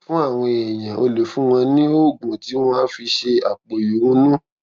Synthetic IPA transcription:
fũ˦a˦˨w̃ɔ̃˧ɛ˨j̃ã˨o˧lo˨fũ˦w̃ɔ̃˧nĩ˦o˦˨ɡ͡bũ˨ti˨˦w̃ɔ̃˦a˦fi˧ʃe˧a˨k͡po˨jũ˨˦nũ˦

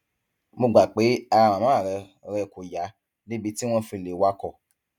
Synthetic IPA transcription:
mo˧ɡ͡ba˨k͡pe˨˦a˧ɾa˧ɾã˨mã˦a˦˨ɾɛ˧ | ɾɛ˧˨ko˨ja˨˦ | ne˦bi˧ti˦w̃ɔ̃˦fĩ˧˨le˨˦wa˦kɔ˦˨

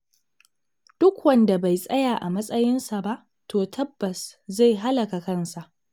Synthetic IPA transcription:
d̥ʊ˦kwɐ˦nda˨ba˨jsʼɐ˦jaː˨ʔa˨mɐ˦sʼɐ˦jɪ˦nsa˨ba˦ʔ | tʰoː˨tʰɐ˦bːɐ˨sza˦˨jɦa˦lɐ˨ka˨kɐ˦˨nsa˨ʔ

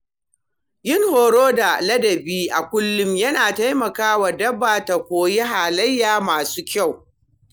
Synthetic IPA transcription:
jɪ˦˨ŋhoː˨ɽoː˦da˨lɐ˦dɐ˨biː˦ʔa˨kʷʊ˦lːʊ˦mjɐ˦naː˨ta˦jmɐ˨kaː˦wa˨dɐ˦baː˨ta˨kʷoː˨je˦ɦaː˨lɐ˦jːaː˨maː˨su̥ː˦kʲa˦˨w

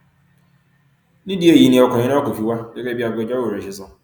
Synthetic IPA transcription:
nĩ˦dɪ˨e˨ji˨˦nĩ˨ɔ˨kɔ˨ɲɪ̃˦nã˦ko˨fi˨wa˦d͡ʒɛ˦kɛ˦bi˦a˨ɡɔ˨d͡ʑa˦o˦o˨ɾe˨ɕɪ˨zʊ̃˨

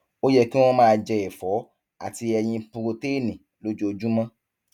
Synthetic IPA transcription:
o˦jɛ˦˧˨ki˦w̃ɔ̃˦mãː˦˧d͡ʒɛ˧e˨fɔ˨˦ | a̰˨ti˧ɛ˧j̃ĩ˧pu˧ɾo˧te˦˨nĩ˨ | lo˦d͡ʒo˦o˧d͡ʒu˦mã˦

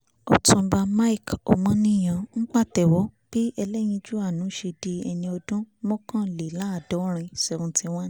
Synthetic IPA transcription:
ɔ˨tũ˧˦ba˧ma˦i˦˨ko̰˨mã˨˦nĩ˦˨j̃ã˨ŋ̩˦k͡pa˦˨tɛ˨wɔ˨˦b̥i˦ɛ˧lɛ˦j̃ĩ˧d͡ʒu˦a˦˨nũ˨˦ʃe˧di˧ɛ˧nĩ˧ɔ˧dũ˦mɔ̃˦kã˦le˨la˦a˦˨dɔ˨˦ɾ̃ĩ˧sɛ˧˨ũ˧tĩ˧w̃ã˦

